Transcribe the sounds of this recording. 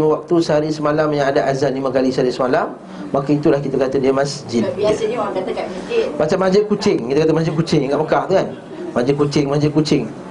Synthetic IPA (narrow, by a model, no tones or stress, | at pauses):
mə̃wak̚t̪usəɦaɾisəmalamjaŋadaʔazanlimãkalisəaɾisəmalamː | akait̪ulahkit̪akat̪adiəmãsd͡ʒɪlat̪amat͡ʃamːad͡ʒɪl̚kut͡ʃɪŋkit̪akat̪̬amad͡ʒɪl̚kut͡ʃɪŋŋɡaʔməkaht̪ukan | mãd͡ʒɪl̚kut͡ʃɪŋmad͡ʒɪl̚kut͡ʃɪŋ